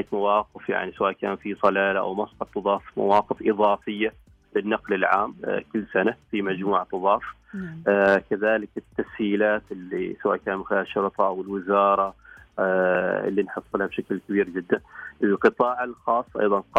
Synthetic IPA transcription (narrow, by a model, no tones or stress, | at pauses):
akmawɑːqɪfja̰ʕnisawaːʔkaːnfisˤɑlaːlaʔa̰wmɑsˤħɑt̪ˤːɨðˤɑːfma̰wɑːqɪfʔɨðˤɑːfɪjːa | lɪnːɑqlɪlʕa̰ːmkʊlːsanafimad͡ʒmuːʕt̪ˤːɨðˤɑːf | kaðaːlɪkɪt̪ːashiːlaːt̪ɪlːḭsawa̰ːʔkaːnmɪxɪlaːhʃːʊɾt̪ˤɑʔawɪlwɪzɑːɾˤɑ | ɪ̰lːinħɨsˤːlhabʃaklkabiːɾd͡ʒɪd̪ːanʔɪlqɨt̪ˤɑːʕalxɑːsˤːʔɑ̰jðˤɑnq